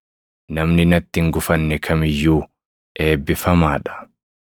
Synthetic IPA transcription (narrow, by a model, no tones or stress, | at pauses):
nɐmnɪnɐt̪ːɪŋɡʊfɐnːɛkʰɐmɪjːuː | ʔe̞ːbːɪfɐmaːᶑɐ̥